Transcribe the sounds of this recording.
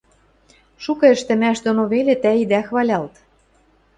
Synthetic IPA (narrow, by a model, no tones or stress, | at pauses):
ʃukɤ̆ɘ̆ʃt̪ɘ̆mæʃd̪onoβelʲet̪æid̪æxβɑlʲɑlt̪